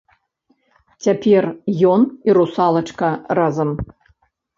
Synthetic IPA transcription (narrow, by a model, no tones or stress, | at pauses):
t͡sʲapʲɛrjɔniɾusalˠɐt͡ʂkɐrazɐm